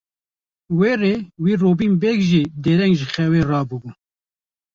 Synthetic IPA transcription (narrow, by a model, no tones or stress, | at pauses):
weːreːwiːroːbiːnbɛːkʒiːd̪eːɾɛŋɡʒɨxɛweːrɑːbubuː